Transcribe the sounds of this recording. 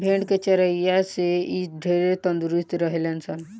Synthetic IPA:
bʱẽɳɖket͡ʃəɾaijaseiɖʱeɾet̪ənd̪uɾust̪ɾəɦelensən

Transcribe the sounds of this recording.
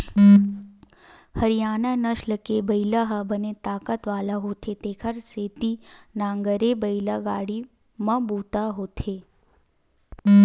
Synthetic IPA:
həɾijaːnanəʃləkebəilaɦabənet̪aːkət̪ʋaːlaɦoːt̪ʰet̪eːkʰəɾseːt̪inãːŋɡəɾebəjlaɡaːɽi | mãbuːt̪aɦot̪ʰe

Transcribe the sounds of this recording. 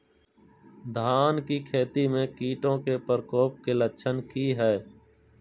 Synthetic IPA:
d̪ʱaːnkikʰeːt̪imẽkiːʈõkepəɾkoːp̚keləʃʰənkiɦɛː

